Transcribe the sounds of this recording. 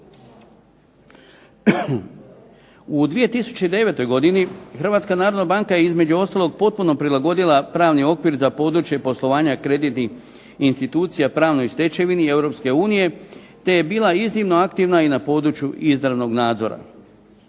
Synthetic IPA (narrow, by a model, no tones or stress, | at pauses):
ud̪ʋije̞t̪isu̥t͡ɕeid̪e̞ʋe̞t̪o̞jɡo̞d̪inixɾr̩ʋat̪skanaːɾod̪nabaŋkaje̞izme̞d͡ʑuo̞st̪alˠo̞ɡ̚po̞t̪̚puno̞pɾilaɡo̞d̪ilˠapɾaːʋnio̞kʋiɾzapo̞ːd̪ɾut͡ʃje̞po̞slˠo̞ʋaːɲakɾe̞d̪it̪nix | inst̪it̪uːt̪sijapɾaːʋno̞jst̪e̞t͡ɕe̞ʋinie̞wɾo̞pske̞uːnije̞ | t̪e̞je̞biːlˠaizniʋno̞akt̪iʋnainapo̞ːd̪ɾut͡ɕjuʔizd̪ɾaʋno̞ɡnaːd̪zo̞ɾa̰